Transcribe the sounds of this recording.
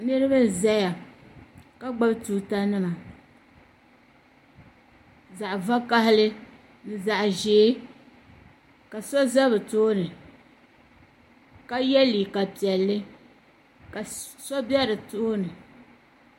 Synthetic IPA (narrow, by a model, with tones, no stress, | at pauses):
nɨ˦ɾɨ˦ba˦za˦ja˨ | ka˦ɡ͡ba˦btu˦ta˦nɨ˦ma˨ | za˨ʔva˦ka˦ɦɪ˦lɨ˦ | nɨ˨za˨ʔʒeː˨˦ | ka˨sɔ˦za˦bɨ˨toː˦nɨ˨ | ka˦jɛ˦li˨ka˨pi˨ɛ˨lːɨ˦ | ka˨sɔ˦bɛ˦ɾɨ˨toː˦nɨ˨